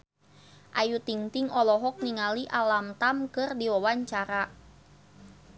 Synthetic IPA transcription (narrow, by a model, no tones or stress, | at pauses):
ʔajut̪iŋt̪iŋɔlɔɦɔk̚niŋaliʔalamt̪amkɨrdiwɔwaɲt͡ʃaɾa